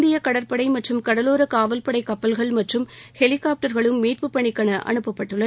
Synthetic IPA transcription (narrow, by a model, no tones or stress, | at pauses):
d̪ɪjɐkɐɽɐɾpɐɽɐɪmɐʈrɯmkɐɽɐloːɾɐkaːʋɐlpɐɽɐɪkːɐpːɐlɣɐɭmɐʈrɯmhɛlɪkaːp̚ʈɐɾɣɐɭɯmːiːrpɯpːɐɳɪkːɐɳɐʔɐ̰ɳɯpːɐpːɐʈːɯɭːɐ